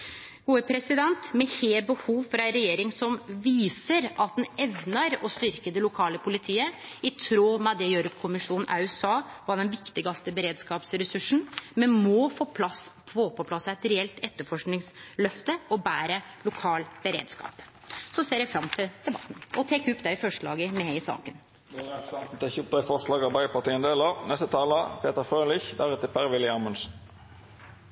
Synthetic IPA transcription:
ɡ̥uːəpʰɾɛsɪd̪ɛnt̪mɛheːbəhuːʋfɾɑænɾɛjeːɾɪŋsɔmʋiːsəɾʔɑt̪̚d̪ɛnɛʋnɑɾɔst̪ʏɾkəd̪ɛlʊkʰɑːləpʰʊlɪt̪ʰiːəɪt̪ʰɾoːmɛd̪ɛjøːɾəkʰʊmɪʂuːnn̩ʔæ̰ʉsɑːʋɑɖ̪ɛnʋɪkt̪ɪɡɑst̪əbəɾeːd̪skɑːpsɾɛsʉʂn̩mɛnmɔfoːpʰlɑs | foːpʰɔpʰlɑsæɪt̪ɾɛɛlt̪ɛt̪ːəfɔʂknɪŋslœft̪əɔbæːɾəlʊkʰɑːlb̥əɾḛːd̪skɑ̰ːp | sɔseːɾjæɪfɾɑmt̪ʰɪld̪̥ɛbɑ̰t̪ːn̩ʔɔt̪ʰeːkːʉpːd̪ɛɾɪfɔʂɭɑ̰ːɡəmɛheɪsɑ̰ːkən | ɑt̪n̩t̪ɪçʊt̪ɑɪfɔʁʂlɑːɡɑbæɪəpɑʁt̪iːənd̪eːlɑnɛst̪ət̪ʰɑːləpʰeːt̪əʁfʁøːlɪçd̪æʁʉt̪əpʰæʁʋɪlɪɑːmʊnsn̩

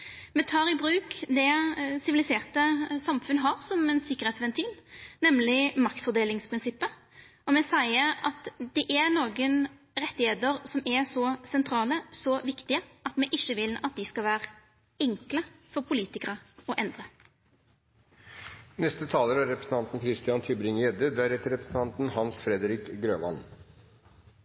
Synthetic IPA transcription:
mɛt̪ʰɑːɾɪbɾʉːkd̪ɛsɪʋɪlɪseːʁt̪əsɑmfʉnːəɦɑɾsɔmɛnsɪkːəʁheːt̪sʋɛnt̪ʰiːlnɛmlɪmɑkt̪fɔd̪eːlɪŋspʰɾɪnsɪpːə | ɔmɛsæɪəɾɑt̪d̪ɛʔæɾnoːɡən | ɾɛt̪ːɪheːt̪əɾsɔmɛsɔsɛnt̪ʰɾɑːləsɔʋɪkt̪ɪəɑt̪mɛʔɪçːəʋɪlɑt̪̚d̪ɪskɑʋæːɾ | ɛŋkləfɔɾpʰʊliːt̪ɪkəʁəɔʔɛnd̪ʁə | nɛst̪ət̪ʰɑːləɾæɾɛpɾəsn̩t̪ɑnt̪n̩kʰɾɪst̪ɪjɑnt̪ʰʏbɾɪŋjɛd̪əd̪æɾhɛt̪əɾɛpɾə̥sn̩t̪ʰɑnt̪n̩hɑnsfɾɛd̪əɾɪkɡɾøːʋɑ̰n

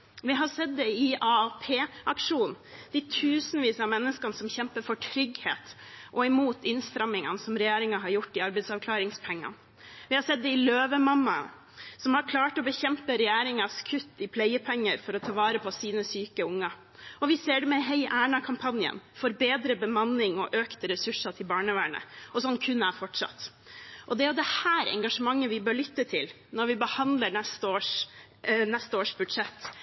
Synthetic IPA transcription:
ʋɪɦɑsɛt̪̚d̪ɛɪɑːpʰeːʔɑkʂuːnn̩d̪̥ɪt̪ʰʉːsn̩ʋiːsɑmɛnːəskɑnsɔmçɛmpəɾfɔʈʰɾʏɡhḛːt̪ | ʔɔɪmuːt̪ʰɪnst̪ɾɛmːɪŋɑ̰nsɔmɾɛjæːɾɪŋɑɦɑɾjʊʈːɪɑɾbɛɪt̪sɑʋkʰlɑːɾɪŋspʰɛŋːɑ̰n | ʋɪhɑsɛt̪̚d̪ɛɪløːʋəmɑmːɑ̰ | sɔmhɑɾkʰlɑːʈɔbəçɛmpəɾɛjæːɾɪŋɑskʰʉt̪ːɪpʰlæɪəpʰɛŋːəɾfɔɾɔt̪ʰɑːʋɑːɾəpʰɔsiːnəsyːkəʊŋːɑ | ɔʋɪseːɖɛmɛɦɛɪʔæːɳɑkʰɑmpʰɑnjə̰nfɔɾbeːd̪ɾəbəmɑnːɪŋɔʔøːkt̪əɾɛsʉʂɑt̪ʰɪlbɑːɳəʋæːɳə̰ɔsɔnːkʰʉnːæfɔʈʂɑ̰t̪ː | ʔɔd̪ɛæɾjʊd̪ɛhæːɾɛ̰ŋɡɑʂəmɑŋːəʋɪbøːɭʏt̪ːət̪ʰɪl | nɔɾʋɪbəhɑnd̪ləɳɛst̪əoːʂ | nɛst̪əoːʂbʉd̪ʂɛt̪ː

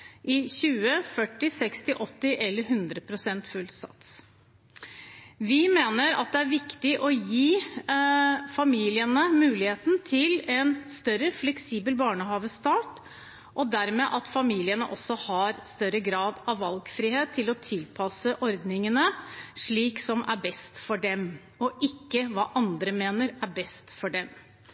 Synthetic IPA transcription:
ʔɪçʉːəfœʈːɪsɛkst̪ɪʔɔt̪ːɪʔɛlːəɾɦʉnd̪ɾəpʰɾʊsɛnt̪fʉlsɑ̰t̪s | ʋɪmeːnəɾɑ̰t̪̚d̪ɛæɾʋɪkt̪ɪʔɔjiː | fɑmiːlɪənəmʉːlɪheːt̪n̩t̪ʰɪlɛnst̪œɾəflɛksiːbəlbɑːɳəhɑːʋəst̪ɑːʈ | ʔɔd̪æɾmeːʔɑt̪fɑmiːlɪənə̰ʔɔsːɔhɑɾst̪œɾəɡɾɑːd̪ɑʋːɑlɡfɾiːheːt̪ʰːɪlɔt̪ʰɪlpʰɑsəʔɔɾd̪nɪŋənəʂɭiːksɔmʔæ̰ɾbɛst̪fɔɖɛm | ɔʔɪkːəʋɑ̰ːʔɑnd̪ɾəmeːnəɾæɾbɛst̪fɔɖɛm

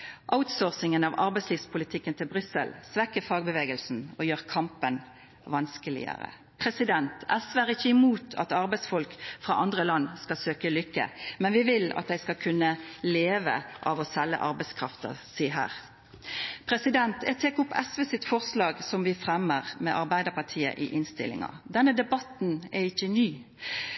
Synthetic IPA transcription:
ʔaʊt̪soːʁsɪŋənɑʋɑɾbɛɪsliːʋspʰʊlɪt̪ʰɪkːənt̪ʰɪlbʁʏsə̰lsʋɛkːəfɑːɡbəʋeːɡəlsn̩ɔjøːʁkʰɑmpən | ʋɑnskəlɪ̰ə̰ʁə̰ | pʰʁɛsɪd̪ɛnt̪ʰʔæsʋəæːʁɪçːəɪmuːt̪ʰɑ̰t̪ɑʁbæɪsfɔlkfʁɑ̰ːʔɑnd̪ʁəlɑnːskɑsøːkəlʏkːə̰mɛnʋɪʋɪlɑ̰t̪̚d̪æɪskɑkʰʉnːəleːʋə̰ʔɑ̰ːʋɔsɛlːə̰ʔɑɾbæɪskʰɾɑft̪ə̰siːɦæ̰ːʁ | pʰɾɛsɪd̪ɛnt̪ʰɛt̪ʰeːkʊpːɛsʋeːsɪt̪fɔʁslɑːɡsɔmʋɪfʁɛmːəʁmɛʔɑʁbæɪd̪əʁpɑʁt̪ʰiːə̰ʔɪʔɪnst̪ɪ̰lːɪ̰ŋɑ̰d̪ɛnːəd̪ɛbɑt̪n̩ɛɪçːənyː

